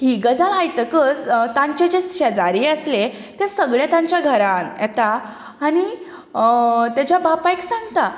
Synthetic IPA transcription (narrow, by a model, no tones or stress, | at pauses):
ɦiːɡəd͡zalajt̪əkət͡st̪ãɲt͡ɕed͡ʑeɕəd͡zaɾiːəsle | t̪esəɡɭjat̪ãɲt͡ɕjaɡʱəɾanjɛt̪aː | ɽ̃i | t̪jat͡ɕjabapajksãŋɡt̪a